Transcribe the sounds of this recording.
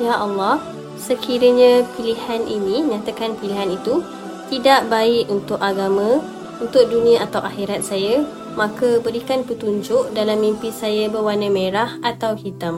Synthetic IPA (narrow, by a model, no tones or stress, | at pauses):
jaʔɑlːɑh | səkʰiɾəɲãpilihanʔinĩɲãt̪akanpiliɦanit̪u | t̪idaʔbaɪʔunt̪ʊʔaɡamə̃ | unt̪ʊk̚dunĩaʔat̪awʔaxiɾat̪̚saja | mãkəbəɾikanpət̪uɲd͡ʒʊʔdalamːimpisajabəwanə̃mẽɾahat̪awhit̪am